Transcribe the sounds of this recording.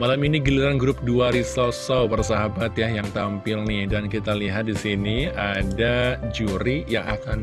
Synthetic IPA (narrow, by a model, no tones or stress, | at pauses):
malaminiɡiliɾanɡɾʊp̚duaɾisosowpaɾas̬aɦabat̪jahjaŋt̪ampɪlnɪhdankit̪aliɦat̪̚disiniadad͡ʒuɾijaŋakan